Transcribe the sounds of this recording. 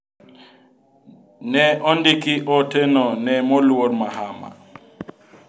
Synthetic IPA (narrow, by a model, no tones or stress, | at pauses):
nɛɔndɪkɪʔɔtɛnɔnɛmɔlwoɾmaɦama̰